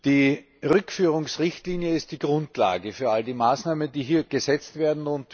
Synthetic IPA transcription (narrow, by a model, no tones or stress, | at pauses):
d̥iː | ʁʏkfyːʁʊŋsʁɪçtliːnjəɪst̚d̥iːɡʁʊntla̰ːɡəfyːɐaldiːmaːsnaːmənd̥iːɦiːɐɡ̥əzɛt͡stv̥eːɐdn̩ʊnt